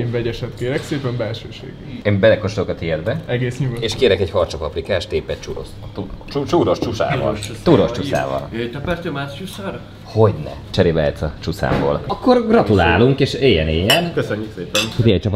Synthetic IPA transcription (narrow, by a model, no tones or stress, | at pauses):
eːɱvɛɟɛʃɛt̪keːɾɛkseːpɛmbɛlʃø̰ːʃḛːɡɛeːmbɛlɛkoʃt̪okɒt̪iɛd̪̚bɛɛɡeːsɲuɡoeːʃkeːɾɛkɛɟhɒrt͡ʃopɒprikaːʃt̪eːpɛt̪t͡ʃuɾo̰s | t̪ut͡ʃut͡ʃuɾoʃt͡ʃusa̰ːvɒ̰lt̪uɾoʃt͡ʃussa̰ːvɒ̰let̪ɛpɛɾsømaːʃt͡ʃysøɾ | ho̞ɟnɛ̰ | t͡ʃɛɾibɛ̰ːjt̪sɒt͡ʃusa̰ːmbo̰ːlɒkːo̞rɡrɒt̪ulaːluŋkeːʃeːjɛneːjɛnkøsøɲːykseːpɛnt̪iɛc̚t͡ʃɒpɒt̪